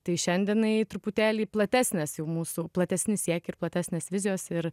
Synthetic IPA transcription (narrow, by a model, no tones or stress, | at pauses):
t̪ɐɪʃʲɛnʲd̪ʲiɛnɐɪt̪ɾʊpʊt̪ʲæːlʲiːplˠɐt̪ʲæːsʲnʲɛsjɛʊmuːsuplˠɐt̪ʲæsʲnʲɪsʲiɛkʲɪɾplˠɐt̪ʲæːsʲnʲeːsʋʲɪzʲɪjoːsɪɾ